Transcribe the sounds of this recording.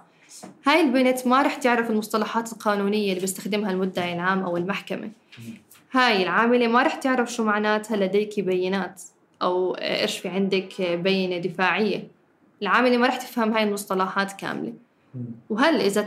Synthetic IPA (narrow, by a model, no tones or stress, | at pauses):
haːjɪlbɪnat̪maɾˤɑːħt̪ɪʕɾafɪlmʊsˤt̪ɑlɑħɑːt̪ɪlqɑːnuːnɪjːalːiːbɪst̪axd̪ɪmhalmʊd̪ːaʕɪlʕaːmʔawɪlmaħkamʔa̰ | haːjɪlʕaːmɪlemaɾˤɑːħt̪ɪʕɾafʃuːmaʕnaːt̪halːad̪aːkibajːɪnaːt̪ | ʔawʔɪ̰ɾʃfiʕɪnd̪akbajːɪnad̪ɪfaːʕɪjːa̰ | ʔɪlʕaːmɪlemaɾˤɑːħt̪ɪ̥fhamhaːjɪlmʊsˤt̪ɑlɑħɑːt̪ka̰ːmɪlḛ | wɦalʔɪza